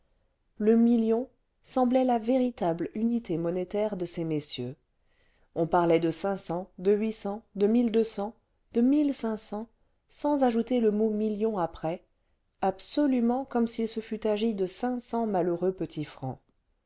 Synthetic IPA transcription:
ləmiljɔ̃ | sɑ̃blɛlaveʁit̪ablynit̪ʰemɔnet̪ɛʁd̪əsemesjø | ɔ̃paʁlɛd̪əsɛ̃sɑ̃d̪əɥisɑ̃d̪əmild̪øsɑ̃ | d̪əmilsɛ̃sɑ̃ | sɑ̃zaʒut̪eləmomiljɔ̃apχɛ | absɔlymɑ̃kɔmsilsəfyt̪aʒid̪əsɛ̃sɑ̃maləʁøpət̪ʰifχɑ̰̃

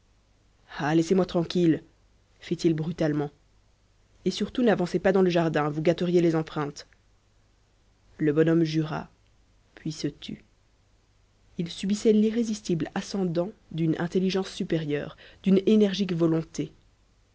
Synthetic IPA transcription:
alɛsemwat̪χɑ̃kʲil | fit̪ilbʁyt̪almɑ̃ | esyʁt̪unavɑ̃sepad̪ɑ̃ləʒaʁd̪ɛ̃vuɡat̪əʁjelezɑ̃pχɛ̃t̪ | ləbɔnɔmʒyʁa̰ | pʰɥisət̪ʰy̰ | ilsybisɛliʁezist̪iblasɑ̃d̪ɑ̃d̪ynɛ̰̃t̪eliʒɑ̃sːypeʁjœ̰ːʁd̪̥ynenɛʁʒikvɔlɔ̃t̪e

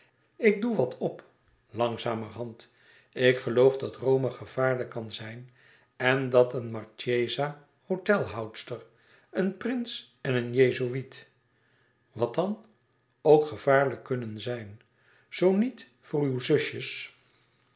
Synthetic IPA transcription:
ɪɡ̚duʋɑtʰɔp | lɑŋzaːmərɦɑnt | ɪkχəlowvdɑtrowmaχəv̥aːɹləkːɑnzɛjn | ɛndɑtənmɑɹt͡ʃejza | howtɛlˠɦʌwtstər | ənprɪns | ɛnənjejzoit | ʋɑt̚dɑn | owkχəv̥aːɹləkːɵnənzɛjn | z̥ownit | fʊːɹywzɵʃəs

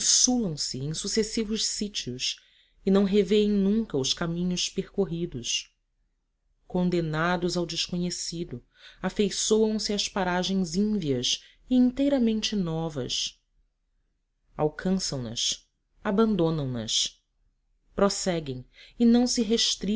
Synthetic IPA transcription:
ĩsulɐ̃w̃sɪẽj̃susesivʊʃsit͡ʃiʊs | ɪnɐ̃w̃ɦeveẽj̃nũŋkɐʊskamĩɲʊspeɾkoɦid̪ʊs | kõnd̪enad̪ʊzawd͡ʒɪʃkoɲesid̪ʊ | afejsowɐ̃w̃sɪɐspaɾaʒẽj̃zĩviɐs | ɪĩnt̪ejɾɐmẽnt͡ʃɪnɔvɐ̰s | awkʰɐ̃sɐ̃w̃nɐ̰s | abɐ̃nd̪õnɐ̃w̃nɐ̰s | pɾosɛɡẽj̃ɪnɐ̃w̃sɪɦeʃt̪ɾi

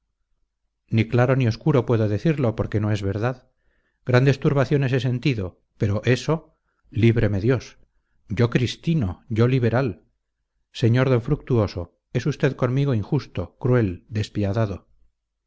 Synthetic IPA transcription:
niklaɾo̞nio̞skuɾo̞pwe̞ðo̞ðe̞θiɾlo̞po̞ɾke̞no̞e̞zβe̞ɾðað | ɡ̥ɾand̪e̞st̪uɾβaθjo̞ne̞s̬ese̞nt̪iðo̞ | pe̞ɾo̞ʔe̞so̞ | liβ̞ɾe̞me̞ðjo̞s | ɟ͡ʝo̞kɾist̪inoʝo̞liβ̞e̞ɾal | se̞ɲo̞ɾðoɱfɾuk̚t̪uo̞so̞ | e̞sust̪e̞ðko̞nmiɣo̞iŋxust̪o̞kɾue̞ld̪e̞spiaðaðo̞

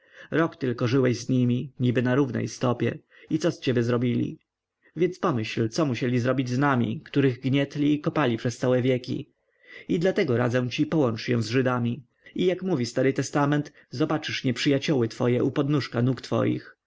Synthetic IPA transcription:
ɾɔkt̪ɘlkɔʐɘwɛʑzɲimʲiɲibɘnaɾuvnɛ̰jst̪ɔpʲjɛ̰ | it̪sɔst͡ɕɛbʲjɛzɾɔbʲilʲḭ | vʲjɛnspɔmɘɕlt̪sɔmuɕɛlʲizɾɔbʲid͡ʑznamʲḭkt̪uɾɘɣɡɲɛt̪lʲiːkɔpalʲipʂɛst̪sawɛvʲjɛkʲḭ | id̪lat̪ɛɡɔɾa̰d̪zɛw̃t͡ɕipɔwɔnt͡ʂjɛ̰̃w̃zʐɘd̪amʲi | ijakmuvʲist̪aɾɘt̪ɛst̪amɛnt̪ | zɔbat͡ʂɘʂɲɛpʂɘjat͡ɕɔwɘt̪fɔjɛʔupɔd̪nuʂkanukt̪fɔ̰jḭx

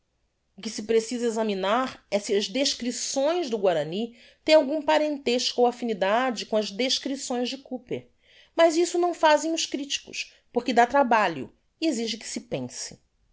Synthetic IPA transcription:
ʊkɪsɪpɾesizɐezɐminaɾɛsɪɐzd̪eʃkɾisõj̃zd̪ʊɡwaɾɐni | t̪ẽj̃awɡũpaɾẽnt̪eʃkowafinid̪ad͡ʒɪkõɐzd̪eʃkɾisõj̃zd͡ʒɪkupeɾ | mazisʊnɐ̃w̃fazẽj̃ʊʃkɾit͡ʃi̥kʊ̰s | poɾkɪd̪at̪ɾabaʎʊ̰ | ieziʒɪkɪ̥sɪpẽsɪ̥

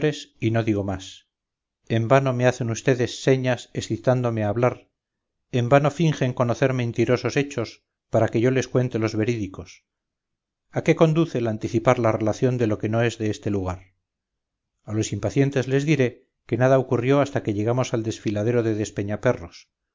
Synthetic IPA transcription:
ɾesino̞ðiɣo̞mas | e̞mbano̞me̞aθe̞nust̪e̞ðe̞sːe̞ɲasesθit̪and̪o̞me̞aːβ̞laɾ | e̞mbano̞fiŋxe̞ŋko̞no̞θe̞ɾmẽ̞nt̪iɾo̞so̞se̞t͡ʃo̞s | paɾake̞ʝo̞le̞skwe̞nt̪e̞lo̞zβe̞ɾiðiko̞s | ake̞ko̞nd̪uθelant̪iθipaɾlare̞laθjo̞nd̪elo̞ke̞no̞e̞zðe̞est̪e̞luɣ̞aɾ | alo̞simpaθje̞nt̪e̞zle̞zðiɾe̞ | ke̞naðaokurjo̞ast̪ake̞ʎe̞ɣ̞amo̞sald̪e̞sfilaðe̞ɾo̞ðe̞ðe̞spe̞ɲape̞ro̞s

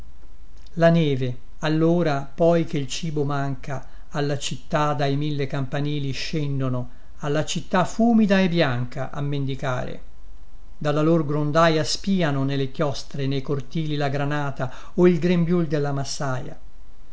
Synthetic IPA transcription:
lanɛːve | alːoːɾapɔjk̟eilt͡ʃiːbomaŋkaː | lːat͡ʃit̪ːad̪ajmilːekampaniːliʃːɛnd̪ono | alːat͡ʃit̪ːafuːmid̪aebːjaŋkaʔa̰mːend̪ika̰ːɾḛ | d̪alːalorɡɾond̪aːjaspiːanonelekjɔst̪ɾenejkort̪iːlilaɡɾanaːt̪a | oilɡɾembjuld̪elːamasːaːja̰

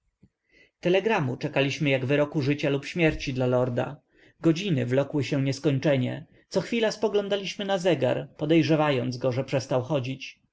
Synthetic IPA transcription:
t̪ɛlɛɡɾamut͡ʂɛkalʲiɕmɘjaɡvɘɾɔkuʐɘt͡ɕalupɕmʲjɛɾt͡ɕid̪lalɔɾd̪a̰ | ɡɔd͡ʑinɘvlɔkwɘɕɛɲɛskɔɲt͡ʂɛɲɛ̰ | t̪sɔxfʲilaspɔɡlɔ̃nd̪alʲiɕmɘnazɛɡa̰ɾpɔd̪ɛjʐɛvajɔnd̪zɡɔʐɛpʂɛst̪awxɔd͡ʑit͡ɕ

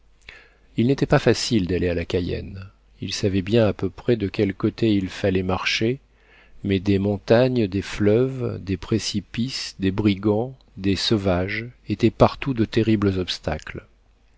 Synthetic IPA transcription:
ilnet̪ɛpafasild̪alealakʲajɛ̰n | ilsavɛbjɛ̃apøpχɛd̪əkʲɛlkot̪eilfalɛmaʁʃe | mɛd̪emɔ̃t̪aɲd̪eflœvd̪epχesipisd̪ebʁiɡɑ̃ | d̪esɔvaʒet̪ɛpaʁt̪ud̪ət̪eʁibləzɔpst̪a̰kl

